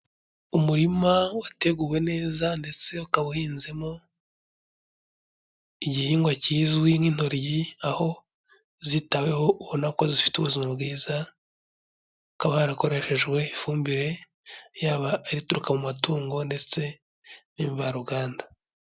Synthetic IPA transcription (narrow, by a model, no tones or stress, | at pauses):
umuɾimawate̞ɡuːwe̞ne̞ːzande̞t͡se̞ukaβuhiːnze̞mo | iɟihiːŋɡwaciːzwimiːn̥hoɾjiaho̞ | zitawe̞ho̞uhonakozifi̥tuβuzimabɡiːza | ukaβahaɾako̞ɾe̞ʃe̞ʒɡwe̞ifuːmbiɾe̞ | jaːβaːɾituɾukamumatuːŋɡo̞nde̞t͡se̞ | niːɱvaɾuɡaːnda